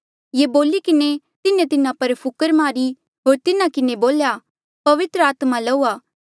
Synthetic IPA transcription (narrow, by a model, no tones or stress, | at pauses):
jeːboːlikɪne | t̪ɪnẽt̪ɪnãpɐɾpʰʊkəɾmaːɾi | ɦoːɾt̪ɪnãkɪneboːlja | pɐʋɪt̪ɾəaːt̪malɐuaː